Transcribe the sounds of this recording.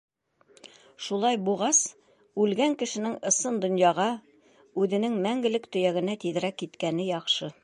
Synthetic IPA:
ʃulˠɑjbuʁɑs | ʉlɡæŋkɘ̆ʃɘ̆nɘŋɤ̆sɤnd̪ŏnjɑʁɑ | ʉðɘ̆nɘŋmæŋɡɘ̆lɘkt̪ɵ̆jæɡɘ̆næt̪iðɘ̆ɾækːit̪kænɘjɑqʃɤ

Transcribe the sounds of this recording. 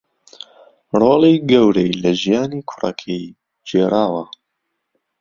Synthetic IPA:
roːliɡɐwɾejlɐʒijaːniːkʰʊrɐ̰kʰej | d͡ʒeːɾʔaːwɐ

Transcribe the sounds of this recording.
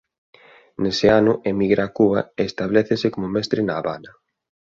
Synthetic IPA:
nesɪanʊʔemiɣɾaːkuβɐeːst̪aβleθesɪkomʊmɛst̪ɾɪnaːβa̰nɐ

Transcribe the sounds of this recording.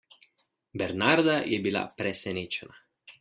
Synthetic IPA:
bɛɾnaɾd̪ajɛbila̰pɾɛsɛneːt͡ʃɛna

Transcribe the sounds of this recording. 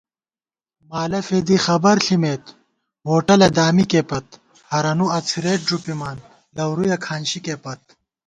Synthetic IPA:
maːlɐfeːd̪ixɐbɐɾɬimeːt̪ | woːʈɐlɐd̪aːmikeːpɐt̪̚ | hɐɾɐnuɐt͡sʰiɾeːʈ̚ɖupimaːn | lɐwɾujɐkʰaːnɕikeːpɐt̪̚

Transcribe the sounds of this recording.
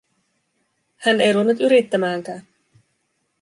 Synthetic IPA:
hæne̞jɾuonːut̪yɾit̪ːæmæːŋk̟æːn

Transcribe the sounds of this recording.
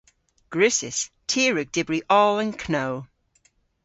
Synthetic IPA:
ɡ̥ɹʉˑsɪstʰiəɹəɡ̚d̥ɪbɹiʔɔːlə̃nkʰnoʊ

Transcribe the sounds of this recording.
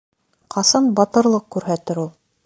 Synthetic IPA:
qʰɑsɑnbɑt̪ɤ̆ɾlˠɤq̚kʉɾɦæt̪ɘɾulˠ

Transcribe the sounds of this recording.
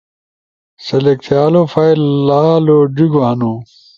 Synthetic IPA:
sɐlekt̪ʰjaːlofailːaːloɖiɡʋaːnũ

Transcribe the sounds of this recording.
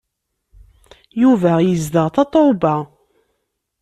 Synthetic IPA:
juvæjəzd̪əʁθɑt̪ˤoba

